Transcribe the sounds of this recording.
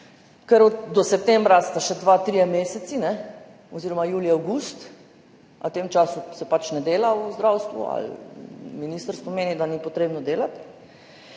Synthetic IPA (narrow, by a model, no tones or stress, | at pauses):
kɛɾɔd̪ɔsɛp̚t̪ɛmbɾast̪aʃɛd̪ʋaːt̪ɾijɛmeːsɛt̪sinɛ | ɔziːɾɔmajuːliawɡuːst̪ | ʔa̰wt̪eːmt͡ʃaːsusɛpat͡ʃnɛd̪eːlauzd̪ɾawst̪ʋṵa̰lminist̪əɾst̪ʋɔmeːnid̪anipɔt̪ɾeːbnɔd̪eːlat̪